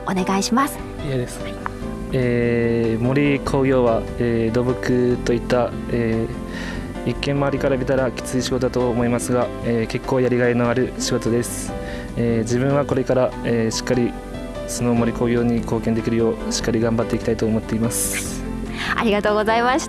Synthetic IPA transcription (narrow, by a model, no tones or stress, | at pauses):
one̞ɡaiɕimasɨ̥ | jees | eːmo̞ɾʲikʰo̞ːɡʲo̞ːβaeːd̪o̞bɯ̟kɯt̪o̞it̪ːa | eː | ikːẽ̞maːɾʲikaɾamʲit̪aɾakʲi̥t͡sɨiɕiɡo̞t̪oat̪oːmo̞imasɨɡa | eːke̞kːo̞ːjaɾʲiɡaino̞aɾɯ̟ɕiɡo̞t̪o̞d̪e̞sɨ̥ | eːd͡ʑibɯ̟̃ɰ̃βako̞ɾe̞kaɾaeɕi̥kːaɾʲi | so̞no̞mo̞ɾʲiko̞ːɡʲo̞ːɲ̟iko̞ːkẽ̞nd̪e̞kʲiɾɯjo̞ːɕi̥kːaɾʲiɡãmbat̪ːe̞iki̥t̪ait̪oːmo̞t̪ːe̞imasɨ̥ | a̰ɾʲiɡat̪o̞ːɡo̞zaimaɕi̥